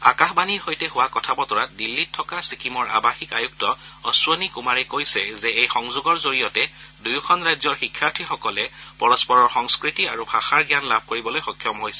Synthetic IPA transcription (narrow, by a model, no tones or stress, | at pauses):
a̰kaxbaniɹhojtɛɦʊwakɔtʰabɔtɔɹat̚dilːitʰːɔkasikʰimɔɹʔa̰baxikajuk̚tɔɔsonikumaɹɛkojsɛzɛejxɔŋzʊɡɔɹzoɹijɔtɛ | dujukʰɔnɹajzɔɹxikʰːjaɹtʰixɔkɔlɛpɔɹɔspɔɹɔɹxɔŋskɹitiaɹubʱaxaɹɡjanlabʱkoɹibɔlojxɔkʰjɔmɦojsɛ̥